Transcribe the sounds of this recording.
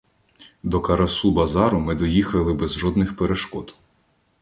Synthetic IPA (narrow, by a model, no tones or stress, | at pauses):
d̪ɔkɐɾɐsubɐzɑɾʊmɪd̪ɔjixɐlˠɪbɛzʒɔd̪nɪxpeɾeʃkɔt̪